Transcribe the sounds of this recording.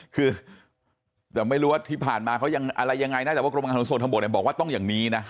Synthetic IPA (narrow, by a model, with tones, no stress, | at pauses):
kʰɯː˧ | t̪ɛː˨˩ma˥˩jɾuː˦˥waː˥˩t̪ʰiː˥˩pʰaː˨˩nmaː˧kʰa˦˥wja˧ŋʔa˧ɾa˧jːa˧ŋa˧jna˥˩t͡ɕːwa˥˩ɾo˧mʔa˧˩˦so˨˩t̪ʰa˧bt̚n˩˨˩bɔː˨˩k̚waː˥˩t̪ɔ˥˩ŋjaː˨˩ŋniː˦˥na˦˥